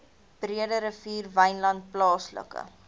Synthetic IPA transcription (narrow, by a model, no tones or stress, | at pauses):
b̥riədəɾəfiːrvɐjnlɐnt̚plɑːslə̰kə̰